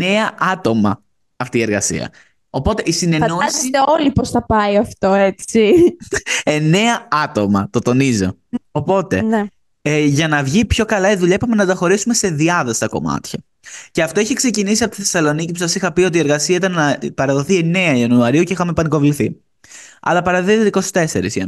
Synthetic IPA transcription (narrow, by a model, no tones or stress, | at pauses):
eɐɐt̪o̞mɐ̰ | ɐft̪iːe̞ɾɣɐsḭɐ̰ | o̞po̞t̪e̞ʔisine̞noisioliposθɐpɐiɐft̪o̞et͡si | e̞ne̞ɐɐt̪o̞mɐ̰t̪o̞t̪o̞nizo̰opo̞t̪e̞̰n | ʝɐnɐvʝipço̞kɐlɐiðuʎɐepɐmenɐd̪ɐxo̞ɾisume̞se̞ðiɐðɐst̪ɐko̞̰mɐ̰t̪çɐ | ce̞ɐft̪oiçikse̞cinisiɐpot̪iθesɐlo̞nicipusɐsixɐpio̞t̪̬ieɾɣɐsiɐit̪ɐnːɐpɐɾɐðo̞θie̞ne̞ɐiɐnuɐɾiucixɐmepɐniko̞vliθi | ɐ̰lɐpɐɾɐðoit̪iko̞si̥t̪e̞se̞ɾḭsiɐ̰